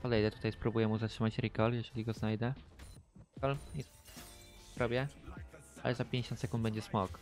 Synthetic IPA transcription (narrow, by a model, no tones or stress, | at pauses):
pɔd̪ɛjd̪ɛt̪u̥t̪ajspɾubujɛmuzatʂɘmat͡ɕɾikɔljɛʐɛlʲiɡɔznajd̪ɛ | kɔli | ɾɔbʲjɛ | alʔɛzapʲjeɲd͡ʑeɕɔnt̪sɛkund̪̚bɛɲd͡ʑɛsmɔk